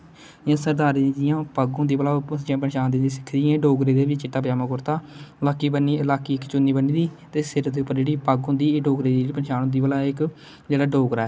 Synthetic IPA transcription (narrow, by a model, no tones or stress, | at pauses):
jãːsəɾd̪aːɾid̪ijãːpaɡɦõːnd̪iːbəlaːd͡ʒãːpənʃaːnd̪ɪ̃nd̪iːsɪ̥kʰd̪ijãːɖoːɡɾeːd̪eːʋiːt͡ʃɪʈːaːpjaːmakʊɾt̪aːəlaːkːiːbənːiːəlaːkiːɪkt͡ʃʊnːiːbəniːd̪iːt̪eːsɪɾd̪eːʊpːəɾd͡ʒeːɽiːpaɡɦʊnd̪iːɖoːɡɾeːd̪iːiːpənʃaːnõːd̪iːbəlaːɪk | d͡ʒeːɽaːɖoːɡɾaːɛ